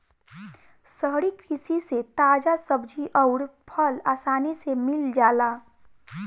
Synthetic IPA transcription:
səɦɽikʰisiset̪aːd͡ʒasəbd͡ʒʱiʔɔʊɾpʰəlaːsaːnisemɪld͡ʒaːlaː

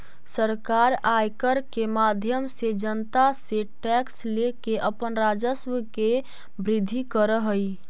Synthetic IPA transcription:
səɾkaɾajkəɾkemad̪ʱjəmsed͡ʒənt̪aseʈɛkslekeʔəpənɾad͡ʒəswəke | bɾɪd̪ʱːikəɾəɦəj

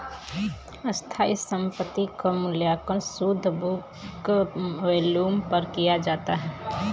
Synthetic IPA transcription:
əst̪ʰaːisə̃mpət̪ːikomʊljaːkənsud̪ʱbuk | ʋeːluːmpəɾkijad͡ʒaːt̪aɦɛː

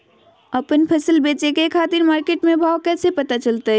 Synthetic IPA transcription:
əpənpʰəsəlbet͡ʃekekʰaːt̪iɾmaːɾkeʈmebʱawkɛːsepət̪at͡ʃəlt̪ə

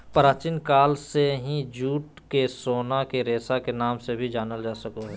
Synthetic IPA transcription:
pəɾaːt͡ʃinkaːlseɦĩd͡ʒuːʈ | kesoːnakeɾeːsakenaːmsebʱid͡ʒaːnəld͡ʒaːsɐkoɦɛː

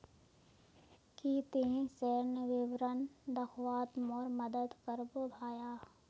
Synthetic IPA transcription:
kit̪ẽsɛːɾnəʋɪʋɾənd̪ɐxwaːt̪mɔːɾmɐd̪əd̪kəɾbobʱaːjaː

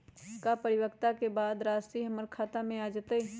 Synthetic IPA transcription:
kapəɾɪwəkt̪akebaːd̪ɾaːsiɦɐməɾkʰaːt̪amẽaːd͡ʒət̪ə

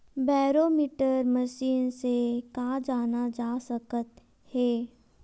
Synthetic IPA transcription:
baːɾoːmiːʈəɾmɐʃiːnsekaːd͡ʒaːnad͡ʒaːsɐkət̪ | hɛː

